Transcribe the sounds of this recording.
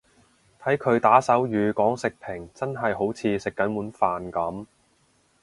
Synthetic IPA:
t̪ʰɐ˨˥jkʰɵ˨˧ɥt̪aː˨˥sɐ˨˥wjyː˨˧kɔː˨˥ŋsɪ˨k̚pʰɪ˨˩ŋt͡sɐ˥nɦɐ˨jɦo˨˥wt͡sʰiː˨˧sɪ˨kːɐ˨˥nmuː˨˥nfaː˨nkɐ˨˥m

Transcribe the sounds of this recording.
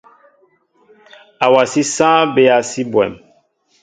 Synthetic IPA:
a˨wa˨si˦sãː˦be˦a˨si˦bwɛ̰˨m

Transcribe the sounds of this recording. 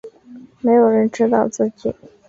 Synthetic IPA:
me˧˥ɪjo˨˩ʊɻə˧˥nʈ͡ʂɻ̩˥t̪ɑ˥˧ʊt͡sɹ̩˥˩t͡ɕi˨˩˦

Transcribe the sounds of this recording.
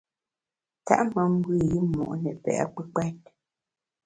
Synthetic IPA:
ta̰˦ʔmə˨m̩˦bwʉ˦˨ji˦mːɔ̰˨ʔnɛ˨pɛ̰˨ʔa̰˦k͡pə˦k͡pɛ˦t̚

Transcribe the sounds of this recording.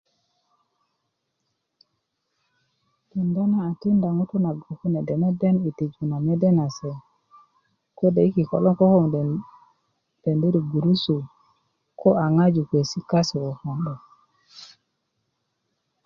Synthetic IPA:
ti˨nda˦naː˨ti˦nda˨ŋu˦tu˦na˨ɡo˨ku˦ne˨de˨me˦de˦ni˨ti˨d͡ʒu˨na˨me˦de˦na˨se˨ | ko˦de˨i˦ki˨ko˨lo˦ŋko˦ho˦ŋ | d̥e˨ndi˦ɾi˨ɡu˨ɾu˦su˨ | ko˦a˨ŋa˦d͡ʒu˨ke˨si˦ka˦su˨o˨ho˨ndo˨

